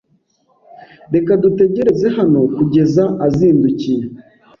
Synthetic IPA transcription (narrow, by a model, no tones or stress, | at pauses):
ɾe̞kadute̞ɟe̞ɾe̞ze̞ɦano̞kuɟe̞zaaziːnducije